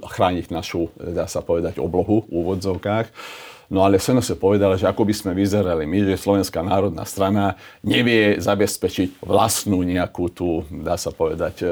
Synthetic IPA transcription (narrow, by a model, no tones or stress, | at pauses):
xɾaːɲiɟnaʃud̪aːsapɔʋɛd̪aɟɔ̰blɔɦuuːʋɔd͡zɔʊkaːxnɔalɛsɛnɔsɛpɔʋɛd̪alaʒɛakɔbismɛʋizɛɾalimiʒɛslɔʋɛnskaːnaːɾɔd̪na̰ːst̪ɾanaɲɛʋɪɛzabɛspɛt͡ʃiɟʋla̰snuːɲɛakuːt̪uːd̪aːsapɔʋɛd̪ac